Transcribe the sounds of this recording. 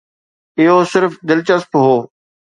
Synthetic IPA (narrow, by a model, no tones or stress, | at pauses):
ɪɦosɪɾfd̪ɪlt͡ɕəspɦoː